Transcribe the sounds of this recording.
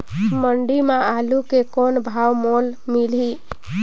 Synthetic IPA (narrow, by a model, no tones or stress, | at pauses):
məɳɖimaalukekonbʱawmolmili